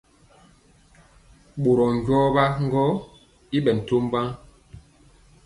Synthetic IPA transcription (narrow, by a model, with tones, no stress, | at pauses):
ɓo˨ɾɔ˨ŋ˨ɟwɔ˦ba˦ŋ̩˦ɡɔ˦ | i˦ɓɛ˨n̩˨to˦m˦ba˦ŋ